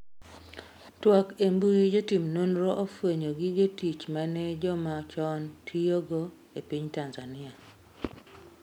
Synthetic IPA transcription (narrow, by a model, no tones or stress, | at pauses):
twakembujid͡ʒotimnonɾoʔofweɲoɡiɡetit͡ʃmanɛd͡ʒɔmat͡ʃɔntʰijoɡo | epiɲtanzanɪa